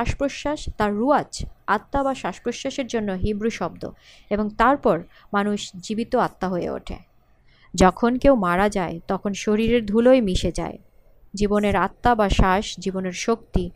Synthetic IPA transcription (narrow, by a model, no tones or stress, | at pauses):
aʃpɾoʃːaʃt̪aɾːuat͡ɕat̪ːabaʃaʃpɾoʃːaʃeɾd͡ʑonːoɦibɾuʃɔb̚d̪o̰ | eboŋt̪aɾpɔɾ | manuʃd͡ʑibit̪oat̪ːaɦoḛo̰ʈʰḛ | d͡ʑɔkʰonkewmaɾad͡ʑaet̪ɔkʰonʃoɾiɾeɾd̪ʱulojmiʃed͡ʑa̰e | d͡ʑiboneɾat̪ːabaʃaʃd͡ʑiboneɾʃok̚t̪i